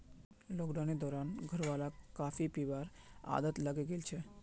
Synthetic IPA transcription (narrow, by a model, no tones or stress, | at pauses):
lokɖaneɾd̪ʱɔɾanɡʱəɾbalakafipibaɾ | a̰d̪ət̪laɡeɡelt͡ɕʰe